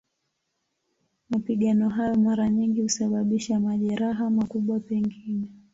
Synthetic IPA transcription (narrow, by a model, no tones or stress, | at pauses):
mapiɠanɔɦajɔmaɾaɲiŋɡihusaɓaɓiʃamaʄɛɾaɦamakuɓwapɛŋɡinɛ